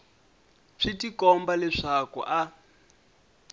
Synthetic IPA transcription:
ʂitikɔmbalɛʂakṵʔa

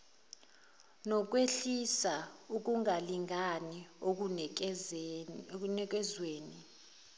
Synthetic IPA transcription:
nɔk̬weɬisauk̬ʼuŋaliŋʱanio | nɛk̬ʼɛzweːni

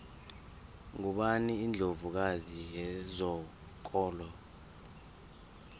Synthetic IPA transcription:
ŋuɓaniːnd͡ɮʱovuk̬azijɛzɔ | k̬ʼɔːlɔ

